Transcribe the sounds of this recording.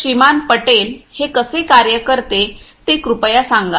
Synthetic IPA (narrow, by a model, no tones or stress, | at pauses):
imanpəʈelhekəsekaɾjəkəɾt̪e | t̪ekɾupjasãŋɡa̰